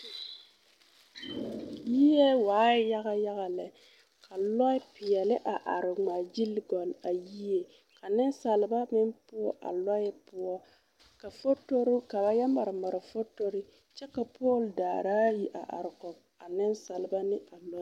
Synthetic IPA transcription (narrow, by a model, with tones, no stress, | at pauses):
ji˦jɛ˦waː˨˦ɪ˦ja˦ɣa˦ja˦ɣa˨lɛ˨ | kʰa˨lɔ˦ɪ˦pɪ˨jɛ˨lɪ˦ʔa˨ʔa˨ɾɪ˨ŋ͡ma˨d͡ʒi˦lɡɔ˨la˨ji˦e˨ | ka˨nɪ˦nsa˨lɪ˨ba˦mɪ˦mpʊ˦ɔ̰˦ʔa̰˨lɔ˦ɪ˦pʊ˦ɔ˦ | ka˨fo˦to˦ɾʊ˦ka˨ba˦ja˦ma˨ɾɪ˨ma˨ɾɪ˨fo˦to˦ɾɪ˦ | t͡ʃɛ˦ka˨poː˦˨ldaː˨ɾaː˦ji˦ʔa̰˨ʔa̰˨ɾɪ˨kɔ˨b | a˨nɪ˦nsa˨lɪ˨˦ba˦nɪ˦a˨lɔ˦